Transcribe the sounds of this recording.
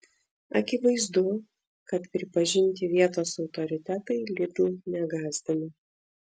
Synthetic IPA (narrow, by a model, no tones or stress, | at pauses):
ɐkʲɪʋɐɪzd̪ʊ | kɐt̪pʲɾʲɪpɐʒʲɪnʲt̪ʲɪʋʲiɛt̪oːsɒʊt̪ɔɾʲɪt̪ʲɛt̪ɐɪlʲɪd̪uːnʲɛɡɑːzʲd̪ɐmʲɪ